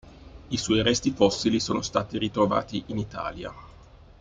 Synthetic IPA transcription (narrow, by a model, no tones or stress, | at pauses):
iswɔjɾɛst̪ifɔsːilisoːnost̪aːt̪iɾit̪ɾova̰ːt̪iʔinit̪a̰ːlja̰